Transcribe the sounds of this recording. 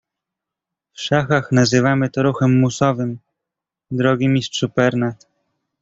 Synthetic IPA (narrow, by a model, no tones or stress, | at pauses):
fʂaxaxnazɘvamɘt̪ɔɾuxɛmːusɔvɘm | d̪ɾɔɡʲimʲistʂupɛɾnat̪